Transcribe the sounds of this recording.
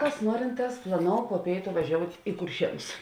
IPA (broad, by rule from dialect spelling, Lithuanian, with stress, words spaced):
kɐs ˈnuɔrʲɪnˌtɑːs plˠɐˈnoːʊ poː ˈpʲeːɪtʊ ʋɐˈʒʲoːʊtʲ ɪ kʊrʲˈʃʲiɛnʊs